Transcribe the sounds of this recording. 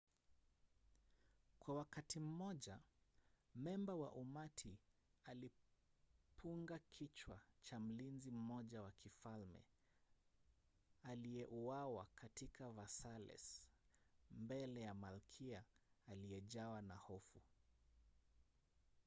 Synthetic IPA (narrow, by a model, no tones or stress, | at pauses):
kwawakatim̩mɔʄa | mɛmbawa̰ʔumatʰiali | pʰuŋɡakʰit͡ʃwat͡ʃam̩linzim̩mɔʄawakʰifalmɛ̰ | aliɛʔuawakʰatikʰavasalɛ̰s | mbɛlɛjamalkʰiaːlijɛʄawanahɔfu